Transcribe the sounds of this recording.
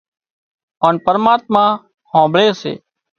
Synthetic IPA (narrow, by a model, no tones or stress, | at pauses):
oːnpəɾmaːt̪̚mãː | hõːbɭeːsḛː